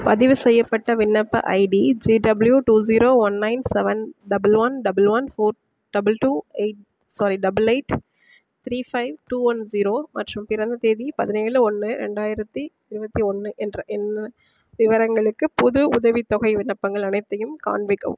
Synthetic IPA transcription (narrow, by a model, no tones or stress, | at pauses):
pɐðɪʋɯsɛjːɐpːɐʈːɐʋɪɳːɐpːɐ̰ʔɐ̰ɪɖid͡ʒiːɖɐbljuʈuːziːɾoːʋɐnːɐɪnsɛʋɐnɖɐbɐlʋɐnɖɐbɐlʋɐnfoːɾ | ɖɐbɐlʈuːeɪʈ̚ | sɔɾiɖɐbɐleɪʈ | t̪ɾiːfɐɪʋʈuːʋɐnziːɾoːmɐ̰ʈrɯmpɪɾɐnd̪ɐt̪eːðipɐðɪneːɭɯɔnːɯɾɛ̰ɳɖaːjɪɾɐt̪ːi | ɪɾɯbɐt̪ːiɔnːɯʔɛndrɐʔɛnː | ʋɪʋɐɾɐŋɡɐɭɯkːɯpʊðɯʊðɐʋit̪ːɔɣɐɪʋɪnːɐpːɐŋɡɐɭɐnɐɪt̪ːɐjɯmka̰ːnʋɪkːɐ̰ʋɯ̰m